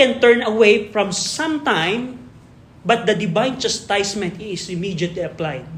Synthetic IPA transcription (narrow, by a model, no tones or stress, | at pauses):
ɛ̃nt̪ɛɹnɐwejfɹɔ̃msɐ̃mt̪ãjm | bɐt̪̚d̪ɐd̪ɪbãjnd͡ʒɐst̪ajsmɛ̃nt̪ɪsɪmid͡ʒɐt̪liɐplajd̪̚